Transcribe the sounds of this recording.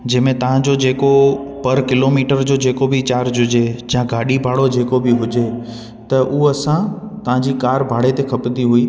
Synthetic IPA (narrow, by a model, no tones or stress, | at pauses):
d͡ʑɐ̃ɦmẽt̪ɐʋ̤ãd͡ʑod͡ʑeːkopɐɾkɪloːmiːʈəɾd͡ʑoːd͡ʑeːkobɪt͡ɕaːɾd͡ʑʱʊd͡ʑed͡ʑãɡaːɗibʱaːɽod͡ʑeːkobɪɦʊd͡ʑe | t̪ɐʔʊɐsãt̪ɐʋ̤ãd͡ʑiːkaːɾbʱaːɽ̤et̪ekʰɐpnd̪iɦʊiː